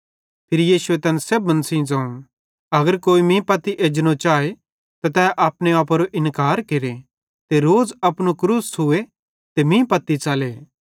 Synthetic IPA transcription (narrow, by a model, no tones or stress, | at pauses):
pʰɪɾijiːsʊet̪ɛːnɛseːbːɐnsĩd͡zãːũ | ɐɡəɾkoːimĩpɐt̪iʔeːd͡ʒnõt͡ʃaːe | t̪at̪ɛːʔaːpnẽaːp̬ɐɾoʔɪnkaːɾkeɾe | t̪eɾoːd͡zɐpnokɾuːsʊe | t̪emĩːpɐt̪ːit͡ʃaːleː